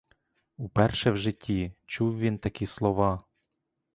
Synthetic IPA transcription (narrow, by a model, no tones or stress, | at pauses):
upɛrʃɛwʒɪtʲʰːit͡ʃuwʋʲint̪ɐkʲislˠɔʋɑ